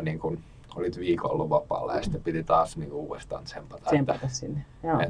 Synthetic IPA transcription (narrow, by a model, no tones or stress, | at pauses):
niːŋkun | o̰lit̪ʋiːkoo̰lːuʋʋɑpːˑɑ̰ːlːɑ̰jɑsi̥t̪ːæpit̪it̪ɑːsniːŋkuuːest̪ɑ̰ːnt̪sempɑt̪ɑemt̪ɑt̪ɑssinːe | joe